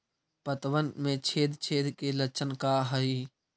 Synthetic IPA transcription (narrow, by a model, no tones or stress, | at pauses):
pət̪ʋənmẽt͡ʃʰeːd̪ʱt͡ʃʰeːd̪kelət͡ʃʰənkaɦəi